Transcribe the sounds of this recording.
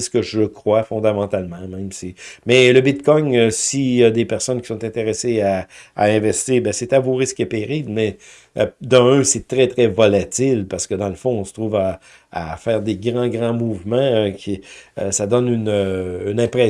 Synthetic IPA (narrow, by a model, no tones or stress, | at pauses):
sə̥kəʒəkχwafɔ̃d̪amɑ̃t̪almɑ̃mɛ̃ɪ̃msemɛləbɪt̪kɔŋøsijad̪epɛʁsɔnkʲi̥sɔ̃t̪ɛ̃t̪eʁesea̰ːɛ̃vɛst̪iːʁbɛ̃set̪avoʁɪskepeʁiblmɛ | d̪ɑ̃œ̃sɛt̪ʁɛt̪ʁɛvɔlat̪ɪlpaʁsə̥kəd̪ɑ̃ləfɔ̃ɔ̃sə̥t̪ʁuːva | a̰fɛːʁd̪eɡʁɑ̃ɡʁɑ̃muːvmɑ̃økʲʰiə̰sad̪ɔnynøynɛ̃pʁɛ